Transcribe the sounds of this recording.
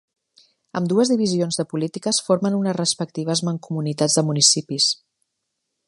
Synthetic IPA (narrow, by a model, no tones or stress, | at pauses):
əmd̪uəzðiβizionzðəpulit̪ikəsfoɾmənunəzrəspək̚t̪iβ̞əzməŋkumunit̪ad͡zðəmunisipis